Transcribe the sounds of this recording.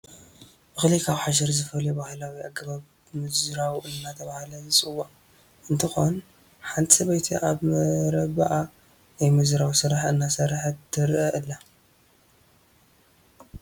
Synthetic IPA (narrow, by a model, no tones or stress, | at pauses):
bɨxlikʰaβħaʃ̬ɐɾzɨfɐljubahlawiaɡɐβaβ | mɨzɾawʔɨnːat̪ʰɐβahlɐzɨt͡sʼɨwa | ɨnt̪ʰɨxon | ħant̪ʼsɐβɐjt̪ʰiʔaβmɐɾɐβaʔa | ajmɨzɾawsɨɾaħɨnːasɐɾaħt̪ʰɨɾʔɐʔɨlːa